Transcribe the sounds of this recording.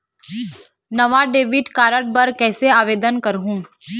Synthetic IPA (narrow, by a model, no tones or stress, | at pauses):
nɐʋaɖeːʋɪʈkaːɾəɽ̚bɐɾkɛːseaːʋeːd̪ənkəɾɦũː